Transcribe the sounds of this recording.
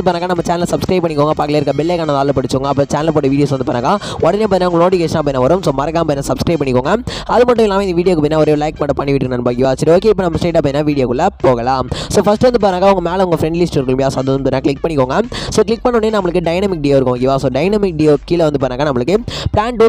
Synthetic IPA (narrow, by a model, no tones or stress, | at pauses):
ɯpaːɾaːŋɡaːnɐmːɐt͡ʃaːnɐlsɐbskɾɐɪbpːɐɳːɪkːoːŋɡɐpaːɾkɐleɪɾkːɐbɪlːekaːnɐt̪aːlɐpɐɽɯt͡ʃːoːŋɡɐːp̬ːoːt͡ʃaːnɐlpoːʈːɐʋiːɽɪjoːs̬ʋɐnd̪ɯpoːɾnaːŋɡaːɔɽɐneːp̬oːɪnːaːʊŋɡɐnoːʈ̬ɪkeːʂɐnaːp̬ːoːɪnãːʋɐɾɯmsoːmɐɾɐkːaːmpoːɪnːaːsɐbskɾɐɪbpɐɳːɪkːoːŋɡɐɐðɯmɐʈːʊ̃mɛlːaːmeːɪnd̪ɐʋiːɽɪjoːkɯp̬oːɪnaːɔɾeːlɐɪk̚mɐʈːɐpɐɳːɪʋɪʈːɯkːɳɐnbaːɡɪʋaːsɐɾioːk̬eːɪp̬ːoːnɐmːɐsʈeːʈːaːp̬ːɐːɪnːaːʋiːɽɪjoːkɯɭːɐpoːɣɐlãːmsoːfɐsʈːɯʋɐnd̪ɯp̬aːɾnaːkːaːʊŋɡɐmeːlɐʊŋɡɐfɾɛɳɖlɪsʈɪɾɯkːmbjaːsoːɐðɯʋɐnɯpːoːɾnaːkɭɪk̚pɐɳːɪkːoːŋɡɐsoːklɪk̚pɐɳːʊɳɖeːnɐmːɐɭɯkːɯɖɐɪnɐmɪk̚ɖɛjoːɪɾɯkːʋãːŋɡɪʋaːsoːɖɐɪnɐmɪk̚ɖejoːkːiːlʋɐnd̪ɯp̬aːɾnaːɡaːnɐmːɐɭɯkːɯplaːɳɖuː